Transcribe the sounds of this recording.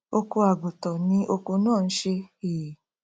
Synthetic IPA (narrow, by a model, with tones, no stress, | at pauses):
o˧ko˧a˨ɡo˨tɔ˨nĩ˧˦ʔo˧ko˧nãː˦˨n̩˦ʃe˧eː˨